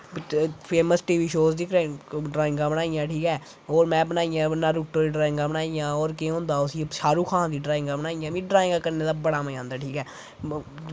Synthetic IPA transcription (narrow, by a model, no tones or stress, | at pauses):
pʰeːməsʈiːʋiːʃoːzd̪ikʰɾɖɾaːɪ̃ŋɡaːbənaːijãːʈʰiːkɛː | oːɾmɛ̃ːbənaːɪjãːnaːɾʊkʈoːdiːɖɾaːɪ̃ŋɡãːbənaːijãːoːɾkẽːɦõːnd̪aːʊsiːʃaːɾuːkʰãːd̪iːɖɾaːɪ̃ŋɡaːbənaːijãːmĩːɖɾaːɪ̃ŋɡaːkəɾneːd̪aːbəɽaːməãːnd̪aːʈʰiːkɛː